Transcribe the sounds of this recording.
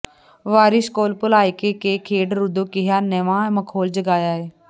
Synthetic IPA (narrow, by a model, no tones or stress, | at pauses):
ʋaːɾɪskoːlpʊlaːiːkeːkeːkʰeːɖɾʊd̪oːkɪɦaːneʋãːməkʰoːld͡ʒəɡaːjaːeː